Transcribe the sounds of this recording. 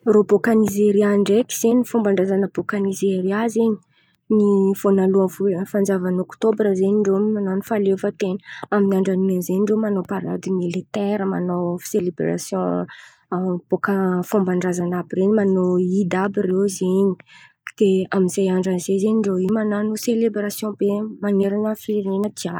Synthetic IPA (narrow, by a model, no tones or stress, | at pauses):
robokanizeɾiaɳɖ͡ʐeki̥z̥eɲifumbaɳɖ͡ʐazanəb̥okanizeɾazeɲi | niv̥onaluə̃fufand͡zavanokt̪obɾəzeɲiɳɖ͡ʐomananfalefət̪enəaminiaɳɖ͡ʐanimanzeiɳɖ͡ʐomanopaɾa̰d̪imilit̪ɛɾəma̰no̥selibɾa̰sjɔ̃ | b̥okəfũmbaɳɖ͡ʐazanabireɲimanoid̪abirewzeɲi̥ | d̪̥eaminzejaɳɖ͡ʐanzezeɲiɳɖ͡ʐoimananuselebɾasjɔ̃bemaneɾanəfiɾenəd̪iḁ